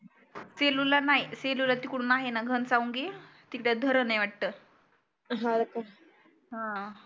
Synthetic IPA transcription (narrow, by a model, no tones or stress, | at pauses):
selulanajselulat̪iːkuɽ̃unaɦenaɡʱənsauŋɡet̪ikɽad̪ʱəɾənajʋaʈ̚t̪əː | ɦãd̪eka | ɦã